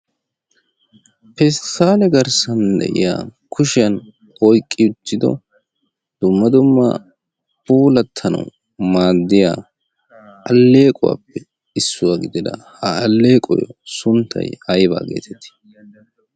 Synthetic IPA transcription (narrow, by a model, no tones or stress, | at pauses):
pɛst̪ːaːlɛɡɐɾsɐnd̪ɛ̰ʔɪ̰ja̰ːkʰʊʃɪjɐn | ɔjkʼːɪʊt̪ːɪd̪ɔ̰ | d̪̥ʊmːɐd̪ʊmːɐ̰ | puːlɐt̪ʰːɐnɐ̰w | maːd̪ːɪjaː | ʔɐlːe̞ːkʼʊwa̰ːpːɛ | ɪsːʊwaɡɪd̪ɪd̪ɐ̰hɐɐlːe̞ːkʼɔ̰jɔ̰sʊnt̪ʰːɐ̰jhɐjba̰ːɡe̞̰ːt̪ʰɛt̪ːɪ̥